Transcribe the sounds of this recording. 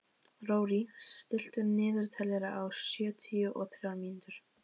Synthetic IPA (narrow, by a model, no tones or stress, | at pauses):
roːwɾist̪ɪl̥t̪ʏɾnɪːðʏɾ̥t̪ʰɛlɛɾaʔawsjœːt̪ʰiʏʔɔθɾjamint̪ʏɾ̥